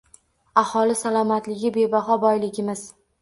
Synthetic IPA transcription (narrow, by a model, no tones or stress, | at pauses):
ahɒlˠɪsalˠɒmat̪lɪɡʲɪbe̞baɦɒbɒjlɪɡʲɪmɪz̥